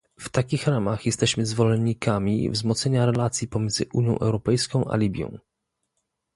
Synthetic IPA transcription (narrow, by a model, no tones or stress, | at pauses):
ft̪akʲixɾamaxjɛst̪ɛɕmɘzvɔlɛnːikamʲḭvzmɔt̪sɛɲaɾɛlat̪sʲjipɔmʲjɛnd̪zɘ̰ʔuɲjɔ̃ʔɛ̰wɾɔpɛjskɔ̃w̃ʔa̰lʲibʲjɔ̰̃w̃